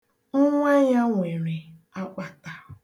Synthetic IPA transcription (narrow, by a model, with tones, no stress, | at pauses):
ŋ̩˦ŋʷa˦ɲa˦ŋʷe˨ɾe˨a˦k͡pʷa˨ta˦˨